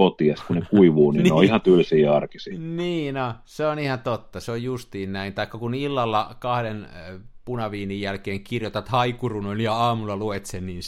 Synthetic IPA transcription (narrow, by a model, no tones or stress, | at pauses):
ot̪iɑskunekuiʋuːninneoihɑt̪ylsiːɑrkisiniːnoseonihɑt̪ot̪ːɑseojjust̪iːnnæint̪ɑikːɑkunilːɑlːɑkɑhdenpunɑʋiːnijjælkeːŋkirjot̪ɑt̪hɑikurunoiljɑɑːmulːɑluet̪senniːn